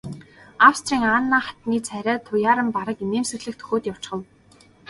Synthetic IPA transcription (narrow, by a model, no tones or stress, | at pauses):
awst̪ʰriːŋaːnːaːχḁt̪niːt͡sʰæɾʲaːt̪ʰʊjaːɾə̆mpaɾə̆kineːmsɘ̆ɣɮɘ̆kt̪ʰɵ̥xʲoːt̪jaw̥t͡ɕχə̆w